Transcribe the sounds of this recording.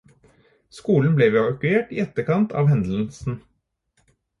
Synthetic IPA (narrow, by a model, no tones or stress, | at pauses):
skuːln̩blɛːʋeʋɑkʉeːʈiːɛt̪əɾkɑnt̪ʰɑ̰ːʋhɛnd̪l̩sn̩